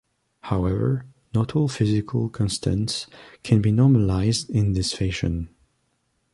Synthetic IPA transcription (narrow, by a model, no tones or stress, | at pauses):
hawɛvə̰˞ | nɔɾʰɔlˠfɪzɪkʰəlˠkʰɔ̃nstʰə̰̃ntskʰɛ̃nbinɔɹməlaɪzdɪ̃nðɪsfeʃɨ̰̃n